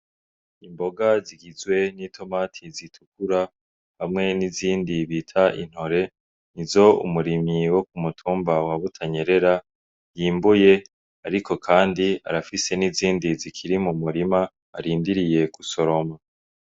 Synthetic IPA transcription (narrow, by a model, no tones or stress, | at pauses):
imbo̞ɡaziɡizɡwe̞nitʰo̞matʰizitʰukuɾa | hamŋe̞niziːndiβiːtʰaʔḭn̥ho̞ɾe̞ | nizo̞ṵmuɾimiwo̞k̚umutʰuːmbawaβutʰaɲe̞ɾe̞ɾa | jiːmbuje̞ | aɾikʰo̞kʰaːndia̰ɾafise̞niziːndizikʰiɾimumuɾima̰ː | ɾiːndiɾije̞kuso̞ɾo̞ma